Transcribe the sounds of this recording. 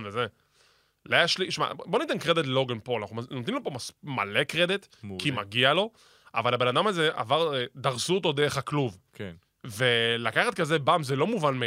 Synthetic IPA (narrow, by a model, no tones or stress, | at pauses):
nveze | lajaʃliʃma̰bo̞nit̪enkʁed̪it̬llo̞ɡenpoanaχunot̪nimlopo̞masmalekʁed̪it̪ | kimaɡialo̞ | avalabe̞nad̪amazea̰vaʁd̪aʁzuot̪̬o̞d̪eʁeχakluvk | velakaχat̪kazebamzelo̞muvanme